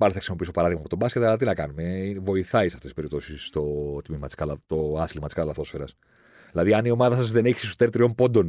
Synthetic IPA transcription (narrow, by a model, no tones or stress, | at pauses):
mɐliθɐksimo̞piiso̞pɐɾɐðiɣmɐːpo̞t̪obɐskʲet̪ɐlɐt̪inɐkɐnumeivo̞iθɐisɐftesi̥speɾipt̪o̞sist̪o̞t̪mimɐt̪iskɐlt̪o̞ɐslimɐt̪iskɐt̪ɐlɐθo̞sfeɾɐs | ilɐðiɐnio̞mɐðɐsɐzðe̞ne̞çi̥sist̪ot̪et̪ɾio̞mpo̞nd̪o̞n